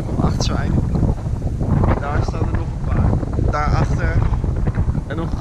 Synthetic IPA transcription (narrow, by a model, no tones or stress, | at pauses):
kɔmɑ̰χtsɛjdə | daːɹstaːnənɔχənpaːɹd̥aːɹɑχtəɹ | ɛnɔ